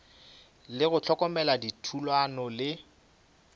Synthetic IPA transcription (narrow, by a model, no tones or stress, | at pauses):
lɪɣʊt͡ɬʰɔkɔmɛladitʰulwanɔlɪ